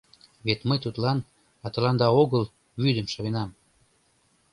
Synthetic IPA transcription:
βet̪məjt̪ut̪lɑn | ɑt̪ɤ̆lɑnd̪ɑoɣəl | βyd̪əmʃɑβenɑm

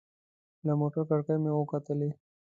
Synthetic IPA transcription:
lamoʈəɾkəɽkəjmẽokat̪əle

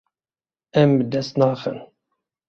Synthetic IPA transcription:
ɛmbɨd̪ɛst̪nɑːxɨ̰n

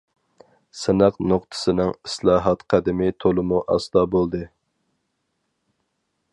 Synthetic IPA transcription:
sɪnɑqnoqt̪ʰɨ̥sɨnɨŋislˠɑːɦɑt̪qʰæd̪ɪmɪt̪ʰolˠɨmuʔɑ̰sd̪ɑbolˠd̪ɨ

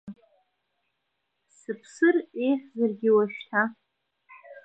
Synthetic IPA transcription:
sɨpʰsɨrejχʲzɨrɡʲɪwaʃtʰa

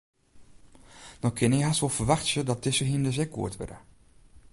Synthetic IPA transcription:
dɔkʰɪnɪɦasʋɔlˠfərʋaxtsədɔt̚dɪsəɦiəndəzɛkːṵətʋɪ̰də̰

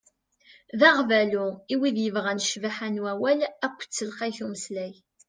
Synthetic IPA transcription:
ðaʁvæluiwiðjəvʁænəʃvaħanwæwælækʷːt͡sːəlqæjθuməslæj

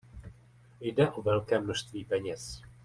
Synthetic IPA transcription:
jdɛʔovɛlkɛːmnoʃst̪viːpɛɲɛs

